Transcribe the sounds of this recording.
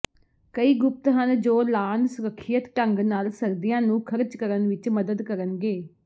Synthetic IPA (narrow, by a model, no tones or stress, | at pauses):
kəiːɡʊp̚t̪ɦənd͡ʒoːlaːnsʊɾəkʰːijət̪ʈəŋɡnaːlsəɾd̪ijãːnũːkʰəɾd͡ʒkəɾənʋɪt͡ʃməd̪əd̪kəɾənɡeː